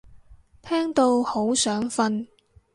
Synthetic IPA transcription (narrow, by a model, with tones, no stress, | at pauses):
t̪ʰɛː˥ŋt̪o˧who˨˥wsœː˨˥ŋfɐ˧n